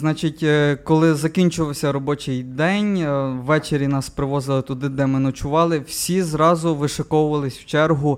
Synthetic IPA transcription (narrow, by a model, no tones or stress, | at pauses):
znɑt͡ʃɪtʲkɔlˠɪzɐkʲinʲt͡ʃʊʋˠɔwsʲɐɾɔbɔt͡ʃɪjd̪ɛnʲʋːɛt͡ʃeɾʲjinɑspɾɪʋɔzɪlˠɪt̪ʊd̪ɪd̪ɛmɪnɔt͡ʃʊʋɑlˠɪw̥sʲizɾɑzʊʋɪʃɐkɔwʊʋɐlˠɪsʲwt͡ʃɛrɦʊ